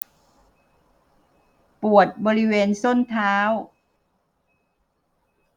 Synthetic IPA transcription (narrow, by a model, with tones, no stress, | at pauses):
pu˨˩ət̪̚bɔː˧ɾi˦˥weː˧nso˥˩nt̪ʰaː˦˥w